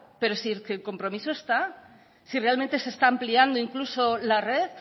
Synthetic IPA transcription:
pe̞ɾosikeelko̞mpɾo̞misoest̪a | sire̞almẽnt̪e̞sest̪aːmpliand̪oiŋklusolareð

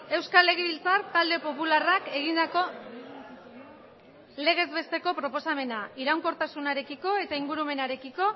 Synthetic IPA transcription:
e̞wskale̞ɣeβilt͡sart̪ald̪e̞po̞pularake̞ɣ̞ind̪ako̞ | le̞ɣ̞e̞zβe̞st̪e̞ko̞pɾo̞po̞same̞naiɾawŋko̞ɾt̪asunaɾe̞kiko̞e̞t̪aiŋɡuɾume̞naɾe̞kiko̞

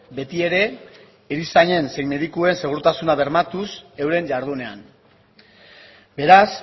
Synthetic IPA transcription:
be̞t̪ie̞ɾe̞ː | ɾisaɲe̞nsejme̞ðikue̞nse̞ɣ̞uɾt̪asunaβe̞ɾmat̪use̞wɾe̞ɲd͡ʒaɾð̞une̞a̰n | be̞ɾas

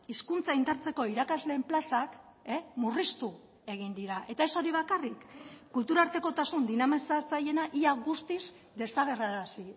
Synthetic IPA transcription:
iskunt͡saind̪aɾt͡se̞ko̞iɾakazle̞ːmplasak | emurist̪u | e̞ɣ̞ind̪iɾaʔe̞t̪ae̞so̞ɾiβ̞akarikːult̪uɾaɾt̪e̞ko̞t̪asund̪inamesaɾt͡saje̞naʔiaɣust̪iz | d̪e̞saɣ̞e̞raɾasi

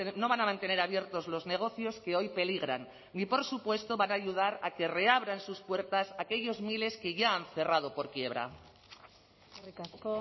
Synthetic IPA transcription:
no̞β̞anamãnt̪e̞ne̞ɾaβje̞ɾt̪o̞zlo̞zne̞ɣ̞o̞θjo̞ske̞o̞jpe̞liɣ̞ɾanː | ipo̞ɾsupwe̞st̪o̞βanaːʝuð̞aɾake̞re̞aβ̞ɾansuspwe̞ɾt̪asake̞ʎo̞zmile̞ske̞ʝaaɱθe̞rað̞o̞po̞ɾkje̞βɾa̰ | ikasko

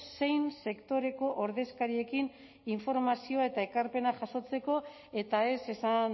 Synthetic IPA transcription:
se̞jnse̞kt̪o̞ɾe̞ko̞ʔoɾðe̞skaɾie̞kin | iɱfo̞ɾmasioae̞t̪ae̞kaɾpe̞naʝaso̞t͡se̞ko̞ | e̞t̪ae̞se̞san

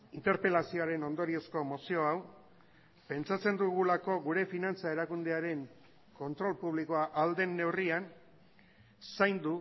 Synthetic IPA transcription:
int̪e̞ɾpe̞lasio̞aɾe̞no̞nd̪o̞ɾie̞sko̞mo̞sio̞aw | pe̞nt͡sat͡se̞nd̪uɣulako̞ɣuɾe̞finant͡sae̞ɾakund̪e̞aɾe̞ŋ | ko̞nt̪ɾo̞lpuβ̞liko̞aʔald̪e̞nːe̞wrian | sajnd̪u

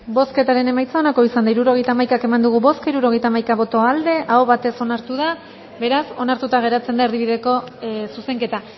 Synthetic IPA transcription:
bo̞ske̞t̪aɾe̞ne̞majt͡sao̞nako̞isand̪aiɾuɾo̞ɣ̞e̞jt̪aːmajkake̞mand̪uɣ̞uβo̞skaiɾuɾo̞ɣejt̪amajkaβo̞t̪o̞ald̪e̞ʔaoβat̪e̞so̞naɾt̪uð̞a | be̞ɾaso̞naɾt̪ut̪aɣ̞e̞ɾat͡se̞nd̪aeɾðiβiðe̞ko̞suse̞ŋke̞t̪a

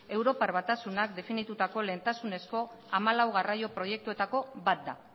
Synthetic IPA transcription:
e̞wɾo̞parβat̪asunakd̪e̞finit̪ut̪ako̞le̞nt̪asune̞sko̞ | amalawɣ̞arajo̞pɾo̞je̞k̚t̪ue̞t̪ako̞bat̪̚d̪a

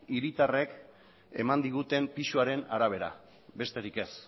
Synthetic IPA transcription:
iɾit̪are̞k | e̞̰mand̪iɣ̞ut̪e̞mpisuaɾe̞naɾaβ̞e̞ɾa̰ | be̞st̪e̞ɾike̞s

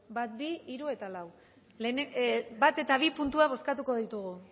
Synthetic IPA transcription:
bat̪biiɾue̞t̪alaw | lenebat̪e̞t̪aβ̞ipunt̪uaβ̞o̞skat̪uko̞ðit̪uɣ̞u

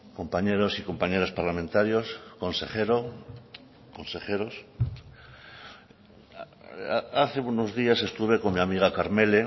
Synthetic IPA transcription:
ko̞mpaɲeɾosiko̞mpaɲeɾaspaɾlamẽnt̪aɾjosko̞nsḛχeɾo | konsexeɾos | aaθeunozðiase̞st̪uβekoŋmiamiɣ̞akaɾmele

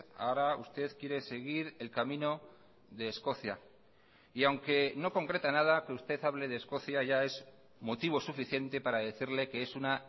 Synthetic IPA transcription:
a̰oɾaust̪e̞ðkje̞ɾe̞se̞ɣ̞iɾe̞lkamĩno̞ | ðe̞ːsko̞θja | iawŋke̞no̞ko̞ŋkɾe̞t̪anað̞akeust̪e̞θaβ̞le̞ð̞esko̞θjaʝae̞z | mo̞t̪iβ̞o̞sufiθje̞nt̪e̞paɾaðe̞θiɾle̞ke̞e̞suna

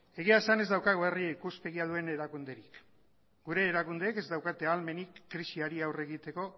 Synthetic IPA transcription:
eɣ̞iaesane̞zd̪awkaɣoeriikuspe̞ɣiaðue̞ne̞ɾakund̪e̞ɾik | ɡuɾe̞ːɾakund̪eːke̞zd̪awkat̪e̞alme̞nikːɾisiaɾiawre̞ɣit̪e̞ko̞

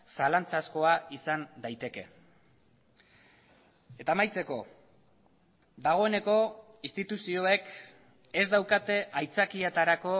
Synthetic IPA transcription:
salant͡sasko̞aisand̪ajt̪e̞ke̞ | e̞t̪aːmajt͡se̞ko̞̰ | d̪aɣ̞o̞e̞ne̞ko̞ | ist̪it̪usio̞e̞k | e̞zd̪awkat̪e̞ʔajt͡sakiet̪aɾako̞

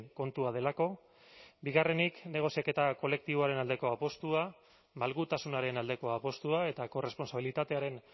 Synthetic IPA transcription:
ŋko̞nt̪uað̞e̞lako̞ | biɣare̞nikne̞ɣ̞o̞siake̞t̪ako̞le̞k̚t̪iβ̞o̞aɾe̞nald̪e̞ko̞apo̞st̪ua | malɣut̪asunaɾe̞nald̪e̞ko̞apo̞st̪uae̞t̪ako̞re̞spo̞nsaβ̞ilit̪at̪e̞aɾe̞n

